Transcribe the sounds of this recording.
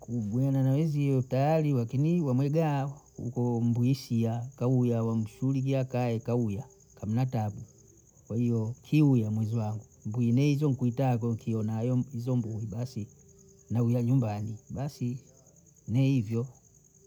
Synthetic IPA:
kuɡuananawɛziɔutajalilakiniwamwɛɡa | ṵkɔm̩buisiakaujawam̩ʃulik̬iakaɛkauja | kam̩natabu | kwahijɔkʰiujamwɛziwaŋɡumbuinɛizɔŋ̩kuitakɔŋkʰiɔnahajɔizɔmbuibasi | naujaɲumbanibasi | nɛivjɔ

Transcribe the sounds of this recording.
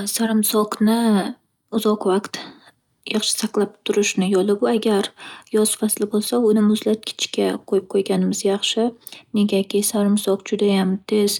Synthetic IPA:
saɾɪmsɒqnɪ | ʊzɒqvaqt̪ | jɑχʃɪ̥saqlˠap̚t̪ʰʊɾɪʃnɪjɒlˠɪbʊaɡʲaɾjɒzfaslɪbolˠsaʊnɪmʊzlat̪̚kʲʰɪ̥t͡ʃkʲʰaqʰojɪp̚qʰojɡʲanɪmɪzjɑχʃɪne̞ɡʲakʲɪsaɾɪmsɒqd͡ʒʊd̪ajamt̪ʰez̥

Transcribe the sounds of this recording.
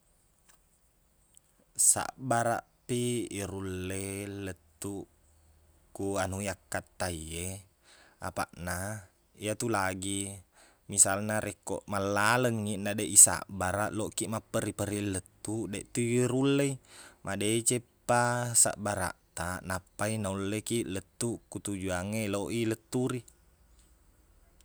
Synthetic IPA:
sa̰ʔbaɾa̰ʔpiːɾulːelːət̪ːu | kuanujakːat̪ːaie | a̰pa̰ʔna | iat̪ulaɡi | misalnaɾʔekːo̰ʔmalːaləŋːinːadeʔisa̰ʔbaɾaʔloʔkiʔmapːəɾipəɾilːət̪ːudeʔt̪uɾulːeimʔadeit͡ʃepːasa̰ʔbaɾa̰ʔt̪anapːainaulːekiʔlət̪ːukut̪ud͡ʒuaŋeloʔilət̪ːuɾi

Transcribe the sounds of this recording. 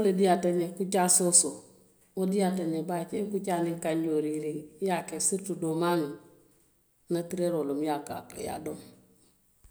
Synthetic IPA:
olediataɲɛkut͡ʃasoso | odiataɲɛbat͡ʃeŋkut͡ʃaniŋkaɲɟoɾilijakɛsiɾtudomani | natiɾeɾolomjaka̰pḛja̰dom

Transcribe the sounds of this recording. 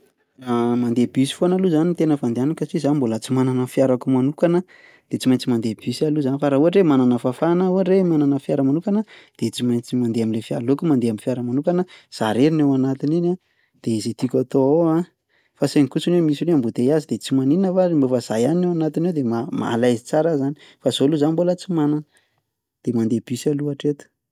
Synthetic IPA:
ramand̪ebisi̥foanaluzanit̪enəfand̪eanakat͡ʃizanimbolat͡simananəfjaɾakumanukanə | d̪̥et͡simajɲt͡simand̪eb̥isaluzanifaɾaueɾemananəfafanaueɾemananəfjaɾəmanukanəd̪̥et͡simajnt͡simand̪eamilefia̰lokumand̪eamifjaɾəmanukanəz̥aɾeɾinewanat̪inina | d̪̥eizet̪ikʲat̪ooa | faseŋikusunemisineambut̪ejazid̪et͡simaniinəvaɾimbofaz̥ajaninewanat̪inewd̪emama̰lajzit͡saɾazani̥ | faz̥oluzanimbolət͡simananə | d̪̥emand̪eb̥isaluaʈ͡ʂet̪u̥

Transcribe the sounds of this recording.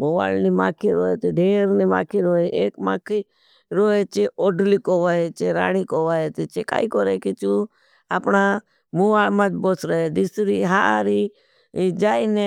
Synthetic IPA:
moːʋa̰ːlnima̰ːkʰiɾoːeːt̪eɖʱeːɾnima̰ːkʰiɾoːeʔeːkma̰ːkʰi | ɾoːet͡ʃeoːɖliːkoːʋaːet͡ʃeɾa̰ːɽ̃ikoːʋaːet̪et͡ʃeka̰ːikoɾeːkit͡ʃuː | aːpɳa | muʋaːɭmãːt͡ʃboːsɾəed̪ɪsɾiɦa̰ːɾi | d͡ʒaːine

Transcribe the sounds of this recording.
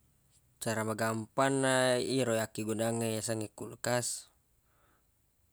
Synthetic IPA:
t͡ʃaɾamaɡampanːaiɾojakiɡunaŋajasaŋɛkulkas

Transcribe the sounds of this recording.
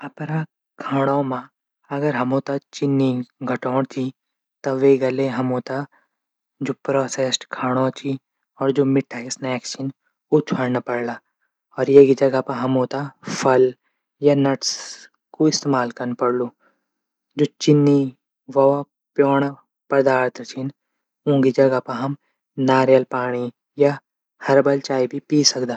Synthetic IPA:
ɐpɾa | kʰaːɽ̃õmã | ɐɡəɾɦɐmoːt̪at͡ʃɪnːiɡʱɐʈɔːɽ̃t͡ʃʰi | t̪ɐʋeɡɐleɦɐmoːt̪a | d͡ʒoːpɾɔːseːsʈkʰaːɽ̃õt͡ʃʰi | ɔːɾd͡ʒoːmɪʈʰaːɪsnɛːkʃən | ut͡ʃʰaɽnapɐɽlaː | ɔːɾjeɡid͡ʒɐɡapɐɦɐmoːt̪apʰɐl | janɐʈs | koɪst̪eːmaːlkɐɾnpɐɽloː | d͡ʒoːt͡ʃɪnːi | ʋɐʋa | pjoːɽ̃a | pɾd̪aːɾt̪ʰɾt͡ʃʰin | ũːɡid͡ʒɐɡapaɦɐm | naːɾjəlpaːɽ̃i | ja | hɐɾbɐlt͡ʃaːibʱipiːsɐkd̪aː

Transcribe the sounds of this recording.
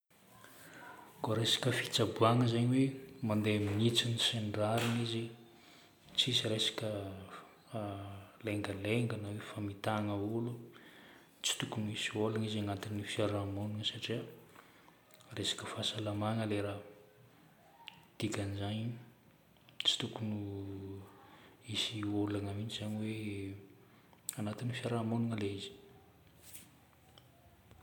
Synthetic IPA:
ɡoɾesḁkəfi̥t͡sabuaŋəzaɲiwemand̪eaminit͡siniseɳɖ͡ʐaɾanizi | t͡sisiɾesḁkʲə | leŋɡəleŋɡənawefamit̪aŋəulu | t͡si̥t̪ukumisiolanizaŋant̪inifiaɾamunuŋəsaʈ͡ʂiə | resḁkəfasalamaŋəleɾa | d̪̥ikʲanizaɲ | t͡si̥t̪ukunu | isiolaŋəmint͡ʃizaɲiwe | anat̪inifiaɾamonuŋəleizi̥

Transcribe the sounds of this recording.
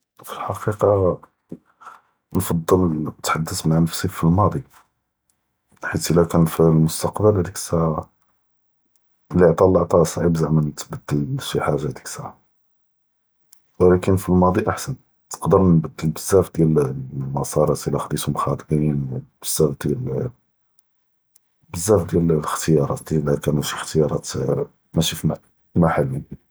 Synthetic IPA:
filħɑqiqɑ | nfɑd̪ˤːəlt̪ħad̪ːəsmaʕnəfsifilmɑd̪ˤi | ħit̪ʔəlːækænfilmʊst̪ɑqbəld̪iksaʕa | liʕt̪ˤɑlːɑʕt̪ˤɑsˤʕibzaʕmænt̪bəd̪ːəlʃiħaʒːad̪i̥ksa̰ʕa | wlækənfilmɑd̪ˤiʔaħsən | t̪ə̥qd̪əɾnbəd̪ːəlbəzːæfd̪jælmɑsˤɑɾˤɑt̪əlæxd̪it̪ʊmxɑd̪ˤqinb̥əzːæfd̪jæl | bəzːæfd̪jællxt̪əjɑɾˤɑ̰t̪̚d̪jælækænæʃixt̪əjɑɾˤɑt̪ | mæʃif | maħalːi

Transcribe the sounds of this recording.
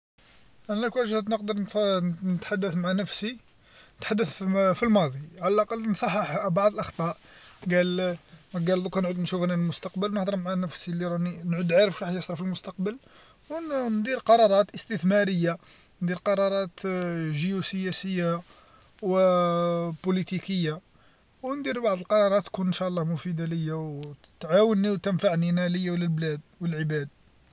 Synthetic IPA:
ʔænækwæʒhət̪nəqd̪əɾˤnnət̪ħad̪ːəθmaʕanəfsi | nət̪ħad̪ːəθfilmɑd̪ˤiʕalælʔɑqɑlnsˤɑħːɑħbɑʕd̪ˤəlʔɑxt̪ˤɑʔ | ɡælmæɡæld̪ukænʕud̪nʃufnaəlmʊst̪ɑqbəlwnəħd̪ˤəɾˤmaʕanəfsilːiɾˤɑninʕud̪ʕaɾəfʃħjɑsˤɾɑfilmʊst̪ɑqbəl | wnd̪iɾqɑɾˤɑɾˤɑt̪ʔəst̪əθmæɾəjːa | nd̪iɾqɑɾˤɑɾˤɑt̪ʒijusəjæsəjːa | wə | pulit̪ikəjːa | wnd̪iɾbaʕd̪əlqɑɾˤɑɾˤɑt̪ːkunnʃæʔlːɑhmʊfid̪aləjːaw | t̪ʕawənːiwt̪ənfaʕninæləjːæwləlblæd̪̚wəlʕəbæd̪̚

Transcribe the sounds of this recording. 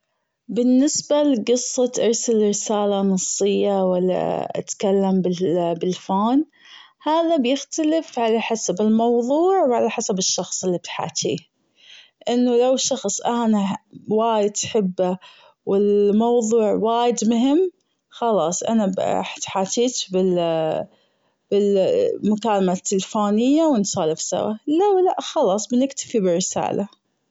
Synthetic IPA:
bɪnːɪsbalɡɨsˤːɑt̪ʔɑɾˤsalɾɪsaːlanɑsˤːɨjːawalːa̰ʔa̰t̪kalːambɪbɪlfoːn | haːðabjɪxt̪alɪfʕalaħasabɪlmɑwðˤuːʕwʕalaħasabɪʃːɑxsˤɪlːib̚t̪ħa̰ːt̪ḭː | ʔɪnːʊlawʃːɑxsˤʔaːnawaːjɪd̪ħɪbːa | wɪlmɑwðˤuːʕwaːjɪd̪mʊɦɪmː | xɑlɑːsˤʔa̰nab̰ħt̪ħaːt̪ʰiːt̪bɪ | b̥ɪlmʊkaːlmat̪ːɪlfoːnɪjːawɪnsɑːlɪfsa̰wa̰lawlaʔxɑlɑːsˤbɪnɪkt̪ḁfibɪrːɪsa̰ːlʔa

